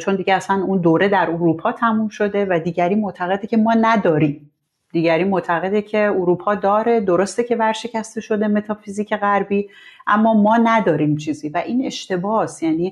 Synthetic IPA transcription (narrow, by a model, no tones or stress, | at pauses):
t͡ʃʰo̞nd̪iɟeæsænund̪oːɾe̞d̪æɾuɾuːpʰɒːt̪ʰæmumʃo̞d̪e̞væd̪iːɟæɾiːmoʔt̪ʰæɣe̞d̪ecʰe̞mɒːnæd̪ɒːɾiːm | d̪̥iːɟæɾiːmoʔt̪ʰæɣe̞d̪ecʰe̞uɾuːpʰɒːd̪ɒːɾe̞d̪oɾost̪ecʰe̞væɾʃe̞cʰæst̪e̞ʃo̞d̪e̞me̞t̪ʰɒːfiziːcʰe̞ɣæɾbiːʔæmːɒːmɒːnæd̪ɒːɾimt͡ʃʰiːziːvæʔiːne̞ʃt̪e̞bɒːsjæniː